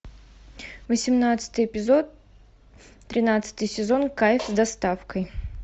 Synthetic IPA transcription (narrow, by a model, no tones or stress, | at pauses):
vəsʲɪmnat̪sɨ̥t̪ɨjɪpʲɪzo̞t̪ | ɾʲɪnat̪sɨ̥t̪ɨjsʲɪzo̞nkajfzd̪ɐst̪afkəj